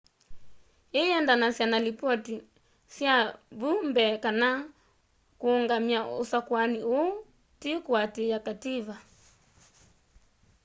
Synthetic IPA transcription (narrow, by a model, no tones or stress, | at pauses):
iɛndanasianalipɔti | siaβumbɛkana | kuɔŋɡamiausakwaniu | tikuatijakativa